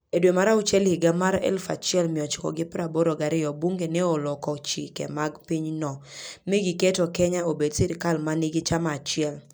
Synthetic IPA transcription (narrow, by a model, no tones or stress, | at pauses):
edwemaɾaʊt͡ʃɛlɪɡamaɾɛ̰lfa̰t͡ʃɪɛlmɪɔt͡ʃkɔ̰ɡɪpɾaboɾɔɡaɾɪjɔbuŋɡenɛɔlɔkɔt͡ʃikɛ̰maɡpiɲnɔmeɡikɛtɔkɛɲaobedsɪɾkalmanɪɡɪt͡ʃamaːt͡ʃɪɛl